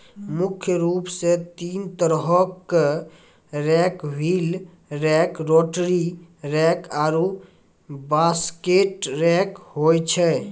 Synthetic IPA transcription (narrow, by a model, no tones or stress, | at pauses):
mukʰjəɾupset̪int̪əɾɦəkː | ɾɛkbʱil | ɾɛkɾoʈɾiɾɛkʰaɾu | baskeʈɾɛkɦojt͡ʃʰɛ